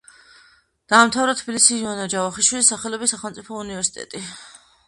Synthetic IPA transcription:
d̪̥aːmt̪ʰavɾat̪ʰbilisiuanad͡ʒavaχiʃwilisaχɛlɔbisːaχɛlˠmt̪sʼipʰɔunivɛɾsi̥t̪ʼɛ̰t̪ʼi

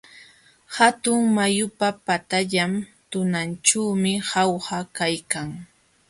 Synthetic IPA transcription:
hat̪ʊŋmajʊpapat̪aʎamt̪ʊnant͡ʃawmɪhɑwhakajkaŋ

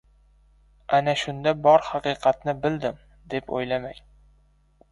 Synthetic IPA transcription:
anaʃʊnd̪abɒɾhɑqɨqʰɑt̪̚nɪbɪld̪ɪm | d̪e̞po̰jlamaj

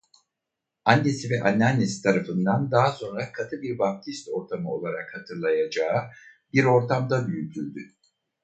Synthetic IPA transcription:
and̪esivɛʔanːanesi̥t̪ʰaɾafɯnd̪and̪aɦso̞nɾakʰat̪ʰɯbiɾbap̚t̪ʰist̪o̞ɾt̪ʰamɯo̞̰lˠaɾakhat̪ʰɯɾlˠajad͡ʒaːɯ | biɾo̞ɾt̪ʰamd̪abyjyt̪ʰylʲd̪y

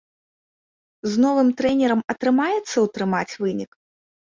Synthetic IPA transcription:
znɔvɨmt̪ɾɛnʲɛɾɐmɐt̪ɾɨmajɛt̪sːɐwt̪ɾɨmat͡sʲvɨnʲik

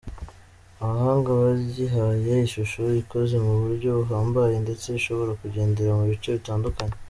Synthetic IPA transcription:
aβaɦaːŋɡaβaɟiɦajejiʃuʃoβiko̞ze̞muβuɾɟo̞βuɦaːmbaje̞nde̞t͡se̞βiʃo̞βo̞ɾakuɟe̞ːnde̞ɾamuβit͡ʃo̞βitaːndukaɲe

